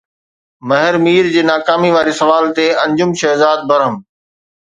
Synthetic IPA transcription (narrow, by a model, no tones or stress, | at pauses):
mɐɦɪɾmiːɾd͡ʑeːnaːkaːmiʋaːɾisɐʋaːlt̪eɐ̃ɲd͡ʑʊmʃɐɦzaːd̪̚bɐɾəm